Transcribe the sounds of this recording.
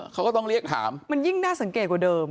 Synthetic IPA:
kʰa˦˥wkɔː˥˩t̪ɔ˥˩ŋɾi˥˩ək̚t̪ʰa̰ː˩˦mma˧nji˥˩ŋnaː˥˩sa˩˦ŋke˨˩t̪̚kwdɤː˧m

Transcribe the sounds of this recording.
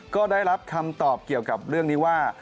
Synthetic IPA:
kɔː˥˩daː˥˩jɾa˦˥p̚kʰa˧mt̪ɔː˨˩p̚ki˨˩əwka˨˩p̚ɾɯ˥˩əŋniː˦˥waː˥˩

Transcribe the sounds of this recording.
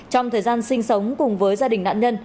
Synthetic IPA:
t͡ɕɔ˧wŋ͡mt̪ʰəː˨˩jzaː˧nsï˧ŋ̟sə˨˦wŋ͡mkʊ˨˩ŋ͡mvəː˨˦jzaː˧ɗï˨˩ŋ̟na̰ː˧˨nɲə˧n

